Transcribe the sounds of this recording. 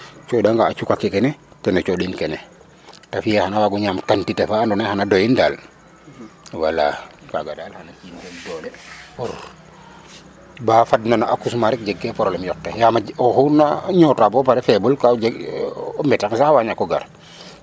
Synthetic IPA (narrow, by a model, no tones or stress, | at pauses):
t͡ʃɔdaŋɡaːt͡ʃukakːɛkɛnɛtɛnat͡ʃɔɗinkɛnɛ | tafijɛhanawaɡuɲaːmkantitɛfaːndɔnɛhanadɔjindaːl | wala̰ka̰ɡadalhanakisɛndɔlɛɔ | bafadnanaʔakːusmaɾik̚d͡ʒɛɡːɛpɔɾɔlɛmjɔk̚tɛjamaɔxunaɲɔtabɔpaɾɛfɛbulkad͡ʒɛɡmɛtaksahawaɲakːɔɡa̰ɾ